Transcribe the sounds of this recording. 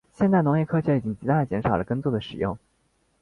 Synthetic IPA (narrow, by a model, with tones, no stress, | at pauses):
ɕjɛ˥˧nt͡sa˥˩ɪnʊ˧˥ŋjɛ˥˩kʰɤ˥ɕʰɛ˧˥i˨˩t͡ɕi˥ŋt͡ɕi˧˥a˥˩ə˩t͡ɕjɛ˧˥nʂɑ˨˩ʊlə˦kə˥nt͡swɔ˥˩d̪ə˩ʂɻ̩˨˩jʊ̰˥˩ŋ